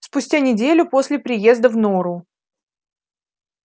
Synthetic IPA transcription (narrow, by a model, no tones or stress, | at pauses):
spʊsʲtʲanʲɪdʲelʲʊpo̞sʲlʲɪpɾʲɪje̞zd̪əvnoɾʊ